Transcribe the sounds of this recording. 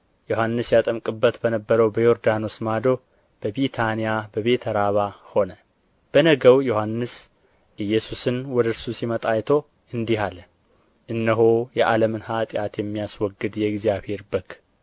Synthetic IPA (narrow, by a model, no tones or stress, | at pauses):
joɦanːɨsjat̪ʼəmkʼɨbːət̪bənəbːəɾəwbəjo̞ɾd̪anosmad̪o̞ | b̥əβit̪ʰanijabəβe̞t̪ʰəɾaβaho̞nə | b̥ənəɡəwjohanːɨs | ʔɨjːɛsusɨnwɔd̪əɾsusimət̪ʼajt̪ʰo̞ | ɨnd̪iɦal | ʔɨnːəɦojɛʔaləmɨnhat̪ʼjat̪jɛmːijaswɔɡːɨd̪jɛɡzijaβhe̞ɾbək